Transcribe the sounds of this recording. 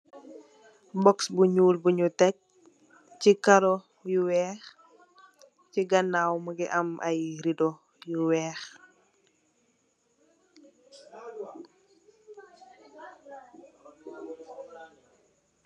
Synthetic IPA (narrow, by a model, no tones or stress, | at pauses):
bɔksbuɲuːlbuɲutɛc̚ | cikaɾɔ | juwɛːx | ciɡɐnːaːwməɡɛʔɐmʔajɾidɔ | juwɛːx